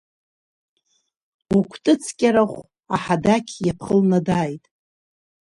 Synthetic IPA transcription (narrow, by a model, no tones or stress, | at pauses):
ukʷʰtʼɨt͡sʰkʲʼaɾaχʷ | aħadakʲʰjapʰχəlnadajtʼ